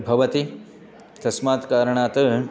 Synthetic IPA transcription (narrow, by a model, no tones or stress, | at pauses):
bʱɐʋɐt̪i | t̪ɐsmaːt̪kaːɾɐɳaːt̪ɐ